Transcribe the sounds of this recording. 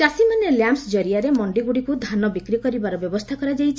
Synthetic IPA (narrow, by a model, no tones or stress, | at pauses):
d͡ʒasimaneljamsd͡ʒɔɾijaɾemɔɳɖiɡuɽikud̪ʱanɔbikɾikɔɾibaɾɔbjɔbɔst̪ʰakɔɾad͡ʒajt͡ʃʰ